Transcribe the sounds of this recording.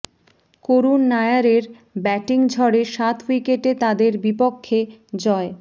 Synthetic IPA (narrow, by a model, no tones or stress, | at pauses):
koɾunːaejaɾeɾ | bɛʈiŋd͡ʑʱɔɽeʃat̪ʰwikeʈet̪ad̪eɾbipokʰːed͡ʑɔe